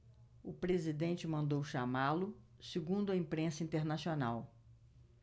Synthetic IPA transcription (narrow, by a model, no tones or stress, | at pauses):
ʊpɾezid̪ẽnt͡ʃɪmɐ̃nd̪owʃamalʊsɪɡũnd̪ʊɐĩpɾẽsɐĩnt̪eɾnasionaw